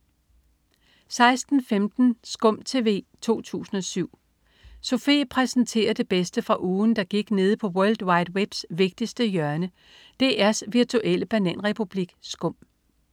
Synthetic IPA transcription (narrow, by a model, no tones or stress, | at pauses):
sɑ̈ɪsd̥n̩femd̥n̩sɡ̥ɔ̽m̰t͡sʰe̝ʋe̝̰ːt͡sʰo̝̰ːt͡sʰṵːsn̩ɒ̽syʊ̰ | so̝fe̝̰ːpʰʁɛsn̩t͡sʰe̝̰ːɐd̥e̝b̥esd̥əfʁɑ̈ʔuːn̩d̥ɑ̈ɡ̥iɡ̥ne̝ːð̞̩ˠpʰɒ̽wœɐld̥wɑ̈ɪd̥web̥sʋe̝ɡ̥̚d̥isd̥əjɶɐnə | d̥e̝æɐsʋiɐt͡sʰuʔel̰əb̥ænæn̰ʁɛpʰub̥liɡ̥sɡ̥ɔ̽m̰